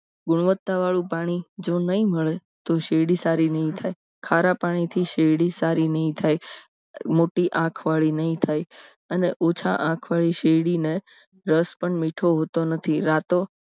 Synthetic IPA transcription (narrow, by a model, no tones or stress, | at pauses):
ɡʊɽ̃ʋət̪ːaʋaɭũpaɽ̃id͡ʒonəĩməɭe | t̪oʃeɽisaɾinəɦĩt̪ʰaj | kʰaɾapaɽ̃it̪ʰiʃeɽisaɾinəɦĩt̪ʰaj | moʈiʔãkʰʋaɭinəɦĩt̪ʰaj | əneʔot͡ʃʰa̰ʔãkʰʋaɭiʃeɽine | ɾəspəɳmiʈʰoɦot̪onət̪ʰiɾat̪o